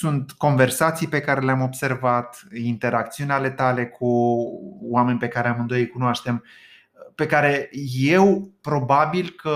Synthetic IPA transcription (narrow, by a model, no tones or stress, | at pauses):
sunt̪ko̞nve̞rsat̪sijpe̞kaɾe̞leamo̞bse̞rvat̪int̪e̞ɾakt̪siuneale̞t̪ale̞kʰu | wame̞nʲpe̞kaɾeamɨnd̪o̞jkunoaʃt̪e̞m | pe̞kaɾe̞je̞wpɾo̞babilkə